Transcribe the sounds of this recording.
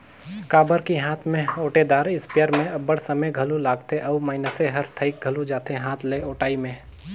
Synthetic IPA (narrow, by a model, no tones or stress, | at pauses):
kaːbəɾkiɦaːt̪ʰmẽoːʈed̪aːɾɪspɪjəɾmẽɐbəɽsɐməjɡʱɐlulaːɡt̪eʔɔːmaːɪnəseɦɐɾt̪ʰəɪk̚ɡʱɐlud͡ʒaːt̪eɦaːt̪ʰleoːʈaːimẽː